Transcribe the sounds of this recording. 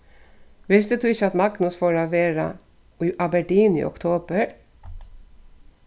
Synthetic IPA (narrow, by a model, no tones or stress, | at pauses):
ʋɪst̪d̪ət̪ʉːɪçəɑt̪mɑɡnʉsfɔɾɑʋeːɾɑ̰ | iʔɑbæɖiːnḭːʔɔ̰kt̪ʰoːbəɾ